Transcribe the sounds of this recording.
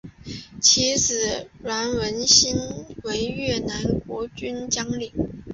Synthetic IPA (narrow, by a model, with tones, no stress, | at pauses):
t͡ɕʰi˧˥t͡sɹ̩˨˩ɻwa˧˥nwə˧˥nɕi˥nwe˧˥ɪɥɛ˥˩na˧˥nkwɔ˧˥t͡ɕy˥nt͡ɕjɑ˥ŋli˨˩˦ŋ